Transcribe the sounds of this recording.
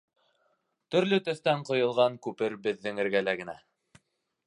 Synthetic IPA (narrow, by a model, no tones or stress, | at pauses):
t̪ɵ̆ɾlɵt̪ɵ̆θt̪æɴqŏjɤ̆lˠʁɑŋkʉpɘɾbɘ̆ðːɘ̆ŋɘ̆ɾɡælæɡɘ̆næ